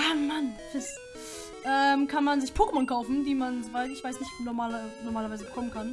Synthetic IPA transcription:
amanfɪs | ʔɛːmkʰanmanzɪçpʰoːkəmɔnkʰaʊfn̩diːmanzovaɪtɪçv̥aɪsnɪçtnɔmaːlɐnɔʁmaːlɐvaɪzəbəkʰɔmənkʰan

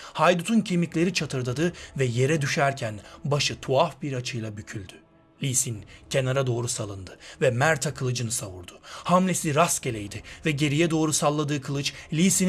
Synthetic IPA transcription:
hajd̪ut̪ʰuncʰemiclʲe̞ɾit͡ʃʰat̪ʰɯɾd̪ad̪ɯvɛje̞ɾɛd̪yʃæɾcʰænbaʃɯt̪ʰuafbiɾat͡ʃʰɯjlˠabycʰylʲd̪y | lʲisincʰe̞naɾad̪o̞ːɾusalˠɯnd̪ɯvɛmæɾt̪ʰakʰɯlˠɯd͡ʒɯnɯsavuɾd̪̥ʊ̥hamlʲesiɾast̪ce̞lʲejd̪ɪvɛɟe̞ɾijɛd̪o̞ːɾusalˠːad̪ɯːkʰɯlˠɯt͡ʃlʲisin

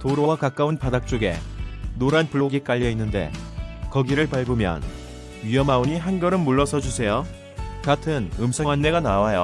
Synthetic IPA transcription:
toɾowakak͈aunpadak̚t͡ɕ͈oɡe̞̰noɾanpuɭːoɡik͈aʎːʌinːɯnde̞̰kʌɡiɾɯɭpaɭbomjʌ̰n | ɥijʌmaoɲiɦanɡʌɾɯnmuɭːʌsʰʌd͡ʑusʰe̞jo | katʰɯnɯmsʰʌŋanːeɡanawajo̰

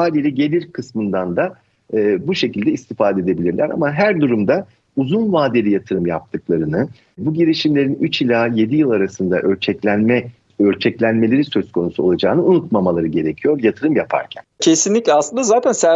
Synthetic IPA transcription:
aːlʲilʲɛɟe̞lʲiɾkʰɯsmɯnd̪and̪aː | buʃe̞cʰilʲd̪ɛist̪ʰifaːd̪ed̪e̞bilʲiɾlʲæɾa̰maɦæɾd̪uɾumd̪a | uzunvaːd̪elʲijat̪ʰɯɾɯmjap̚t̪ʰɯklˠaɾɯnɯ | buɟiɾiʃimlʲe̞ɾinyt͡ʃilʲaje̞d̪ijɯlˠaɾasɯnd̪a̰ʔøɾt͡ʃʰɛclʲænmɛ | øɾt͡ʃʰɛclʲænme̞lʲe̞ɾisø̞z̥kʰo̞nusuo̞̰lˠad͡ʒaːnɯunut̪mamalˠaɾɯɟe̞ɾe̞cʰijo̞ɾjat̪ʰɯɾɯmjapʰa̰ɾcʰæ̰ncʰe̞sinlʲicʲlʲɛaslˠɯnd̪azaːt̪ʰænsæ

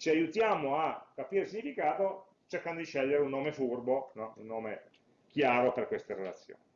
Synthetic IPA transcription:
t͡ʃiajut̪jaːmoakːapiːɾeisiɲːifikaːt̪o | t͡ʃerkand̪od̪iʃɛʎːeɾeunːoːmefurbonɔunːoːme | k̟jaːɾoperkwest̪eɾelat̪sːjo̰ːni

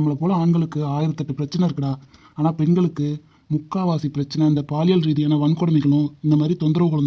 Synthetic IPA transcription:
ɐmːɐɭɐpoːlɐaːɳɡɐɭɯkːɯaːjɪɾɐt̪ːɐʈːɯpɪɾɐt͡ʃːɐnɐɪɾɯkːɐɽaː | aːnaːpɛɳɡɐɭɯkːɯ | mʊkːaːʋaːsipɪɾɐt͡ʃːɐnɐɪnd̪ɐpaːlɪjɐlɾiːðijaːnɐʋɐnkɔɽɐmɐɪɣɐɭʊ̃ɪnd̪ɐmaːd̪ɾit̪ɔnd̪ɪɾɐʋɯkɐɭɐnd

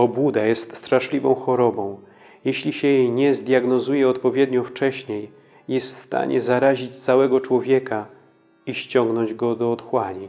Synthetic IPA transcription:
ɔbud̪ajɛst̪st̪ɾaʂlʲivɔ̰̃w̃xɔɾɔbɔ̃w̃ | jɛɕlʲiɕɛjɲɛzd̪ʲjaɡnɔzujɛɔt̪pɔvʲjɛd̪ɲɔ̃ft͡ʂɛɕɲejː | ɛst̪fst̪a̰ɲʔɛ̰zaɾaʑit͡ɕt̪sawɛɡɔt͡ʂwɔvʲjɛka | iɕt͡ɕɔŋɡnɔɲd͡ʑɡɔd̪ɔːt̪xwaɲi

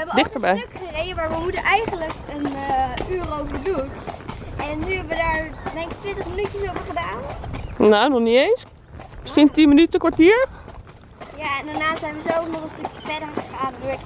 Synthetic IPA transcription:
ʋəɛbədɪχtəɹbɛjkərejəʋaːɹʋəɦudəʔɛjχənləkənyːrowvəɹdutʔɛnːyɦɛbəʋədaːɹdɛŋkɪk̚tʋɪntəχmənytəsowvəɹχədaːnnonɔχniejns | mɪsχintinmənytəkʋaɹtiːɹ | jaɛndaɹnaːsɛjnʋəzɛlˠfnɔχənstɵkəfɛdəɹχəχaːnduɹk

